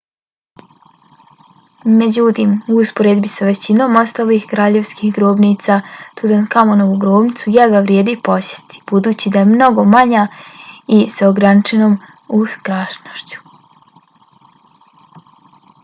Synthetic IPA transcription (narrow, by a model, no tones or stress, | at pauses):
me̞d͡ʑut̪iːmuuspo̞ɾed̪bisaʋe̞t͡ɕino̞ːmo̞st̪aliːxkɾaːʎe̞ʋskihɡɾoːbniːt̪saːt̪uzankamonoʋuɡɾoːbnit̪sujaɡaʋɾje̞ːd̪ipo̞sjet̪ʰi̥b̥ud̪uːt͡ɕid̪aemno̞ɡo̞maɲa | iseoɡɾanit͡ʃe̞no̞ːm | uskɾaʃnoʃt͡ɕu̥